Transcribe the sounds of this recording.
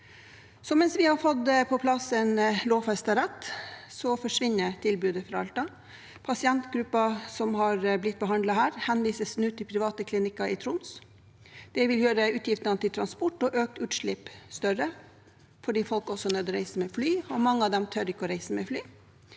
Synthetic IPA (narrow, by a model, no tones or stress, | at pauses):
sɔmɛnsʋɪhɑɾfɔd̪əpʰɔpʰlɑsənloːʋfɛst̪əɾɛt̪ːsɔfɔʂʋɪnːət̪ʰɪlbʉːd̪əfɾɑɑlt̪ɑ | pʰɑsɪɛnt̪ɡɾʉpːɑsɔmhɑɾblɪt̪̚ːbəɦɑnd̪lɑhæːɾhɛnʋiːsəsnʉːt̪ʰːɪlpʰɾɪʋɑːt̪əkʰlɪnɪkɑɪt̪ʰɾʊns | d̪̥ɛʋɪljøːɾəʉːt̪jɪft̪nɑnət̪ɪlt̪ʰɾɑnspɔʈːɔʔøːk̚t̪ʉːt̪ʂɭɪpst̪œɾə | fɔɖiːfɔlkɔsɔnœːd̪ɔɾæɪsəmɛːflyːɔmɑŋːəɑd̪ɛmt̪ʰœɾɪkːəɔɾæɪsəmɛflyː